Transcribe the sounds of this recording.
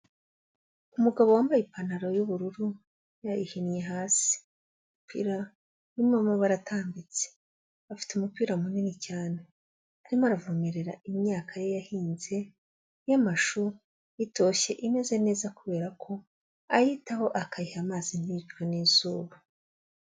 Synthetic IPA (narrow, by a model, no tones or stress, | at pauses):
umuɡaβo̞waːmbajipanaɾo̞juβuɾuɾu | jajihinje̞ɦaːsi̥ | umupʰḭːɾa | iimamoβaɾatʰaːmbit͡se̥ | afi̥teumupiːɾaumuninicaːne̞ | aɾimoaɾavumeɾe̞ɾa̰imɲaːkʰajejahiːnze̞ | jamaʃu | jito̞ʃe̞ʔime̞ze̞ne̞ːzakuβe̞ːɾakʰo̞ | ajitaho̞ʔakajihamaːzin̥hid͡ʒɡeniːzuːβa